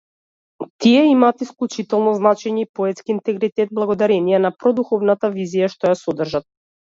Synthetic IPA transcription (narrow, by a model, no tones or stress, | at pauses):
t̪iɛimaːt̪isklʲˠut͡ʃit̪ɛlˠnɔznat͡ʃɛɲɛipɔɛt̪skiːnt̪ɛɡɾit̪ɛd̪̚blˠaɡɔd̪aɾɛnijɛnapɾɔd̪uxɔvnat̪avizijaʃt̪ɔjasɔd̪r̩ʒat̪̚